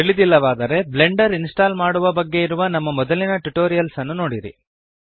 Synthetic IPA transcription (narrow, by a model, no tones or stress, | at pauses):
iɭid̪ilːɐʋaːd̪ɐɾe̞ble̞ɳɖɐɾinsʈaːlmaːɽuʋɐbɐɡːe̞iɾuʋɐnɐmːɐmɔd̪ɐlinɐʈuʈoːɾijɐlsɐnːuno̞ːɽiɾḭ